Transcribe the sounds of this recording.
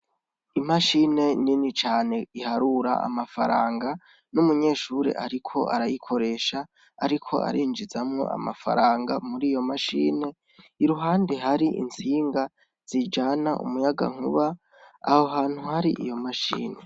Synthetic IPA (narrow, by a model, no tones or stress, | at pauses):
imaʃine̞ninit͡ʃaːne̞ihaɾuɾa̰ʔa̰mafaɾaːŋɡa | numuɲe̞ːʃuɾḛʔaɾikʰo̞a̰ɾajikʰo̞ɾe̞ːʃaː | ɾikʰo̞̰ʔa̰ɾiːnd͡ʒizamŋo̞̰ʔa̰mafa̰ɾaːŋɡamuɾiːjo̞maʃḭːne̞ | iɾuɦaːndeɦaɾiʔḭnt͡siːŋɡa | z̥id͡ʒanaʔṵmujaɡa̰ŋ̥uβa | a̰hoɦaːn̥huhaɾiʔijo̞maʃḭːne